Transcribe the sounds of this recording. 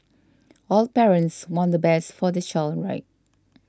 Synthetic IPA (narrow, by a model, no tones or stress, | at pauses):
ɔlpɛɹə̃ntswɔ̃ndəbɛsfɔdət͡ʃɔlɹa̰ɪt̚